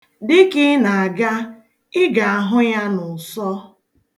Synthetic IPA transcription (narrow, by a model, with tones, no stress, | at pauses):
dɪ˦kɪ˦na˨a˨ɡa˦ | ɪ˦ɡa˨a˨ɦʊ˦ja˦nʊ˨sɔ˦